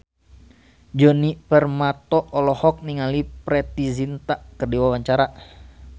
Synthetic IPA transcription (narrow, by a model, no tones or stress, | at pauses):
d͡ʒɔnipərmat̪ɔʔɔlɔhɔk̚niŋalipɾɛt̪izint̪aʔkərdiwawaɲt͡ʃaɾa